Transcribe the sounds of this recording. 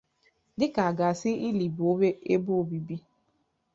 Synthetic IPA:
dɪ˦ka˨a˨ɡa˨sɪ˦i˦li˨bo˦be˦e˦bo˦o˨bi˨bi˦

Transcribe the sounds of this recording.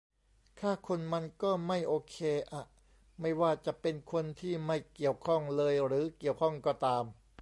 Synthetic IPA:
kʰaː˥˩kʰo˧nma˧nkɔː˥˩ma˥˩jʔoː˧kʰeː˧ʔa˨˩ | ma˥˩jwaː˥˩t͡ɕa˨˩ʔpe˧nkʰo˧nt̪ʰiː˥˩ma˥˩jki˨˩əwkʰɔ˥˩ŋlɤː˧jɾɯː˩˦ki˨˩əwkʰɔ˥˩ŋkɔː˥˩t̪aː˧m

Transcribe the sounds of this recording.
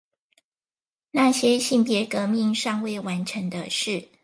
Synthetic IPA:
na˥˩ɕjɛ˥ɕi˥˩ŋpjɛ˨˧˥kɤ˧˥˦mi˥˧ŋʂɑ˥˧ŋwe˥˩ɪwa˧˥nʈ͡ʂʰə˨˧˥ŋd̪ə˧ʂɻ̩˥˩

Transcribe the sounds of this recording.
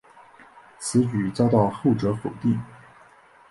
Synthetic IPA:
t͡sʰɹ̩˧˥t͡ɕy˨˩t͡sɑ˥ʊt̪ɑ˥˧ʊxo˥˩ʊʈ͡ʂɤ˧˥xo˨˩ʊt̪i˥˩ŋ

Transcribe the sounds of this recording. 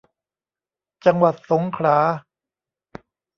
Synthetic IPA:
t͡ɕa˧ŋwa˨˩t̪̚so˩˦ŋkʰɾaː˩˦

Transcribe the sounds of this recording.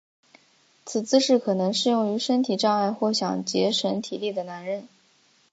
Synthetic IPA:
t͡s̩ʰ˨˩t͡sɹ̩˥ʂɻ̩˥˩kʰɤ˨˩nɤ˧˥ŋʂɻ̩˥˧jʊ˥˩ŋy˧˥ʂə˥nt̪ʰi˨˩ʈ͡ʂɑ˥˧ŋa˥˧ɪxwɔ˥˩ɕjɑ˨˩ŋt͡ɕjɛ˧˥ʂə˧˥nt̪ʰi˨˩li˥˩d̪ə˩na˧˥nɻə˥˩n

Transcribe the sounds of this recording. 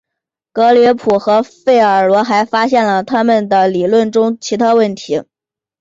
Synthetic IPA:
kɤ˧˥li˧˥pʰu˨˩xɤ˧˥fe˥˩ɪə˞˨˩lwɔ˧˥xa˧˥ɪfa˥ɕjɛ˥˩nlə˩t̪ʰa˥mə˨nd̪ə˩li˨˩lwə˥˩nʈ͡ʂʊ˥ŋt͡ɕʰi˧˥t̪ʰa˥wə˥˩nt̪ʰi˧˥

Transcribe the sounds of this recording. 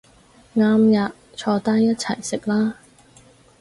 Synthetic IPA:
ŋaː˧mjaː˨ | t͡ʃʰɔː˧t̪aː˥njɐ˥t̚t͡sʰɐ˨˩jsɪ˨k̚laː˥

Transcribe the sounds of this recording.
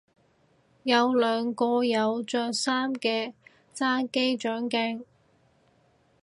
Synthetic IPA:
jɐ˨˧wlœː˨˧ŋkɔː˧jɐ˨˧wt͡sœː˧saː˥mkɛː˧ | t͡saː˥ke˥jt͡ʃœː˨˥ŋkɛː˥ŋ

